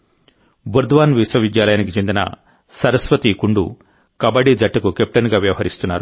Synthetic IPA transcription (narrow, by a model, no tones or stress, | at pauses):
buɾd̪ʋaːnʋiswɐʋid̪jaːlɐjaːnikit͡ʃe̞nd̪inɐ̰ | sɐɾɐsʋɐt̪ikuɳɖṵ | kɐbɐɽid͡ʒɐʈːɐkukep̚ʈɐnɡaːʋjɐʋɐɦɐɾist̪unːaːɾu